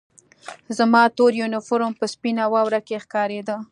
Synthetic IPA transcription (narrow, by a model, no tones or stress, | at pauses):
zamɑt̪oɾjonɪfʊɾompəspinawɑwɾakexkɑɾed̪ə